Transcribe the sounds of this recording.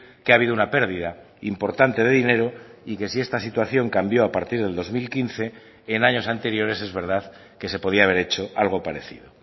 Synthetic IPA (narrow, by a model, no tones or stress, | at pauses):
keaβ̞iðounape̞ɾð̞iða | impo̞ɾt̪ant̪e̞ð̞e̞ðine̞ɾo̞ike̞sie̞st̪asit̪waθjo̞ŋkambjo̞apaɾt̪iɾð̞e̞ld̪o̞zmilkinθe̞ː | naɲo̞s̬ant̪e̞ɾjo̞ɾe̞se̞zβe̞ɾð̞að | ke̞s̬e̞po̞ðiaːβ̞e̞ɾe̞t͡ʃo̞ʔalɣ̞o̞paɾe̞θḭðo